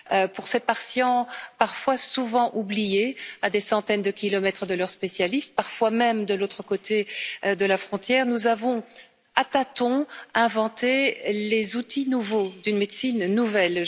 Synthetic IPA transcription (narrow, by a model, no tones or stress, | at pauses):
øpuʁsepaʁsjɑ̃paʁfwasuvɑ̃ʔublijead̪esɑ̃t̪ɛnd̪əkʲilɔmɛt̪χəd̪əlœʁspesjalist̪̚paʁfwamɛmd̪əlot̪χəkot̪ed̪əlafχɔ̃t̪jɛːʁnuzavɔ̃ | at̪at̪ɔ̃ɛ̃vɑ̃t̪elezut̪inuvod̪ynmed̪sinːuvɛl